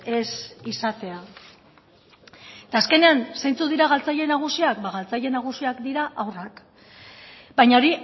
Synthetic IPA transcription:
e̞sisat̪e̞a | t̪aːske̞ne̞ansajnt͡suðiɾaɣ̞alt͡saʎe̞naɣ̞usiakbaɣalt͡saʎe̞naɣ̞usiakd̪iɾaʔawrak | bajɲao̞ɾi

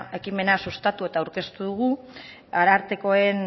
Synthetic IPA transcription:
e̞kime̞nasust̪at̪ue̞t̪aauwɾke̞st̪uðuɣ̞u | aɾaɾt̪e̞ko̞e̞n

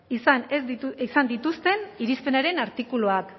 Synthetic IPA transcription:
isanezisand̪it̪ust̪e̞niɾispe̞naɾe̞naɾt̪ikuloak

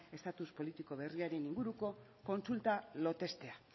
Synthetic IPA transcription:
e̞st̪at̪uspo̞lit̪iko̞β̞e̞riaɾe̞niŋɡuɾuko̞ko̞nsult̪alo̞t̪e̞st̪e̞a

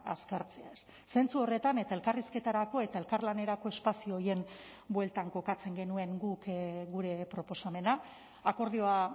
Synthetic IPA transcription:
a̰skaɾt͡se̞aesːe̞nt͡suo̞re̞t̪ane̞t̪ae̞lkariske̞t̪aɾako̞e̞t̪ae̞lkarlane̞ɾako̞e̞spasioːje̞n | bwe̞lt̪aŋko̞kat͡se̞ŋɡe̞nue̞ŋɡukɡuɾe̞pɾo̞po̞same̞na | ako̞ɾð̞io̞a

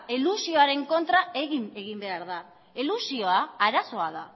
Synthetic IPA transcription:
elusio̞aɾe̞ŋko̞nt̪ɾae̞ɣimeɣ̞imbe̞aɾða | elusio̞aaɾaso̞aða

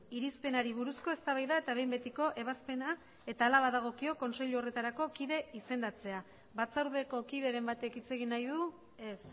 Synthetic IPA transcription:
iɾispe̞naɾiβ̞uɾusko̞e̞st̪aβajðae̞t̪aβ̞e̞jmbe̞t̪iko̞ʔe̞β̞aspe̞na | e̞t̪aːlaβaðaɣ̞o̞kio̞ko̞nse̞ʎuo̞re̞t̪aɾako̞kiðe̞ise̞nd̪at͡se̞a | βat͡sawɾðe̞ko̞kiðe̞ɾe̞mbat̪e̞kit͡se̞ɣinajðu | e̞s

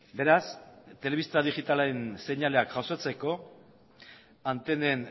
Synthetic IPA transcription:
be̞ɾast̪e̞le̞βist̪aðiɣit̪alaɾense̞ɲale̞akʝawsot͡se̞ko̞ | ant̪e̞ne̞n

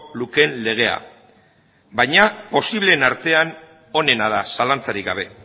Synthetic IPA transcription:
luke̞nle̞ɣ̞e̞a̰ | bajɲapo̞siβ̞le̞ːnaɾt̪e̞an | o̞ne̞nað̞asalant͡saɾik̚ɡaβ̞e̞

